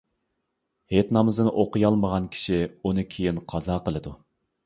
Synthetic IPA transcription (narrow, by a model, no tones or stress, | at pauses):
het̪nɑmɨzɨnɨʔoqɨjɑlˠməʁɑnkʲʰi̥ʃiunɨkʲʰejinqʰɑzɑːqəlˠɨd̪u